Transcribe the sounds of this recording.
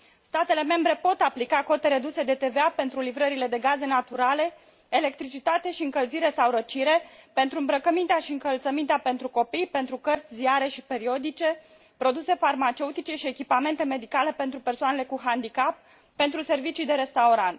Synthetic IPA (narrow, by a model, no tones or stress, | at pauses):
st̪at̪e̞le̞me̞mbɾe̞po̞t̪aplikako̞t̪e̞ɾe̞d̪use̞d̪e̞t̪e̞veape̞nt̪ɾulivɾəɾiled̪e̞ɡaze̞nat̪uɾale̞ | ele̞k̚t̪ɾit͡ʃit̪at̪eʃiɨŋkəlziɾe̞sawɾət͡ʃiɾe̞pe̞nt̪ɾuɨmbɾəkəmint̪eaʃiɨŋkəlt̪səmint̪eape̞nt̪ɾuko̞pijpe̞nt̪ɾukərt̪sʲziaɾe̞ʃipe̞ɾio̞d̪it͡ʃe̞ | pɾo̞d̪use̞farmat͡ʃe̞ut̪it͡ʃe̞ʃie̞kʲipame̞nt̪e̞me̞d̪ikale̞pe̞nt̪ɾupe̞rsoane̞le̞kuɦand̪ikapː | e̞nt̪ɾuse̞rvit͡ʃijd̪e̞ɾe̞st̪auɾant̪